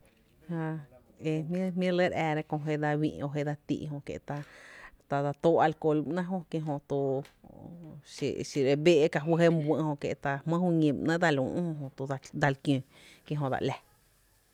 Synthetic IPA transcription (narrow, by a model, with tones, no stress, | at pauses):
hã˧ | e˧m˦mĩ˦le˦ɾɛː˧ɾe˧kõ˧ɦe˦d̪a˧wḭ̃˧ʔo˧˨ɦe˧d̪a˧t̪ḭ˧ʔɦõ˧kḛ˧ʔt̪a˧t̪a˧d̪a˧t̪oː˦ʔa˧lko˧˨lmnã˦ɦõ˧kjẽ˧ɦõ˧t̪o˧ | ʃḛ˨ʃi˧ɾe˧be˦ʔka˧ɦwə˦ɦe˦m˧bʷə̃˧ʔhõ˧kḛ˧˨t̪a˧hmə̃˦hu˧ɲĩ˧˨mnã˦d̪a˧lṵ̃˨ʔhõ˧ɦõ˧t̪o˧d̪a˧lkjõ˧˨ | kjẽ˧ɦõ˧d̪a̰˧ʔlɛ˧